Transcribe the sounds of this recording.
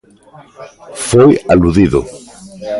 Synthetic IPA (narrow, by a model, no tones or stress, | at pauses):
fojaluðiðʊ̰